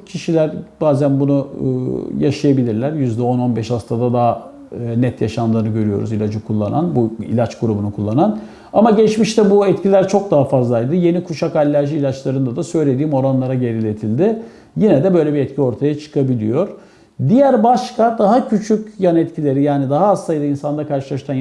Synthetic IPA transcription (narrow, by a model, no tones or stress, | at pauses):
cʰiʃilʲæɾbaːzænbunṵ | jaʃajabilʲiɾlʲæɾjyzd̪ɛo̞no̞nbɛʃhast̪ʰad̪ad̪aɦː | nɛt̪jaʃand̪ɯːnɯɟø̞ɾyjo̞̰ɾṵzilʲad͡ʒɯkʰulˠːananbuḭlʲat͡ʃɡuɾubunukʰulˠːanan | amaɟɛt͡ʃmiʃt̪ʰɛbuɛt̪cʰilʲæɾt͡ʃʰo̞k̚d̪aɦafazlˠajd̪ɯje̞nikʰuʃakalʲːæɾʒiiːlʲat͡ʃlˠaɾɯnd̪ad̪asø̞jlʲe̞d̪iːmo̞ɾanlˠaɾaɟe̞ɾilʲe̞t̪ʰilʲd̪ɪ | jinɛd̪ɛbø̞jlʲebiɛt̪cʰio̞ɾt̪ʰajat͡ʃʰɯ̥kʰabilʲijo̞ɾ̥ | d̪ijæɾbaʃkʰad̪aɦacʰyt͡ʃʰycʲjanɛt̪cʰilʲe̞ɾijaːnid̪aɦaːst̪ajd̪ɯinsand̪akʰaɾʃɯlˠaʃt̪ʰan